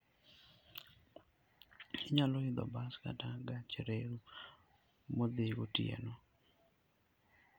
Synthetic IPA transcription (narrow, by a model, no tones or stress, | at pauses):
ɪɲaloɪd̪ɔ̰baska̰taɡat͡ʃeɾeɾu | mod̪eɡotiḛno